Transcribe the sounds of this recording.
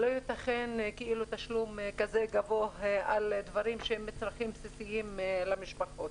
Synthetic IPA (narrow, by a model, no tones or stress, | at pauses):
lojit̪aχenkeʔilut̪aʃlumkazeɡavohald̪vaɾimʃeemːet͡sʁaχimpsisiimlamiʃpaχot̪